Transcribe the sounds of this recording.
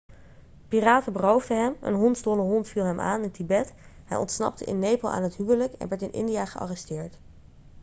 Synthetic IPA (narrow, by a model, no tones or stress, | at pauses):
piraːtəbərowvdəɦɛmə̰nɦɔntzdoləɦɔntfilˠɦɛmʔa̰ːnɪntibɛtɦɛ̰jʔɔ̰ntsnɑ̰p̚tə̰ʔɪ̰nːejpəlˠʔa̰ːnɦətɦywələkɛ̰nʋɛɹtɪnʔɪ̰ndijaːχəʔɑ̰rɛstɪːɹt